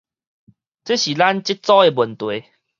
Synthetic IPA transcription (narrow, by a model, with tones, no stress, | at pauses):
t͡se˦ɕi˨˩la˦nt͡ɕi˦˥t̚t͡sɔ˦˥e˧bə˨˩nt̪we˨˦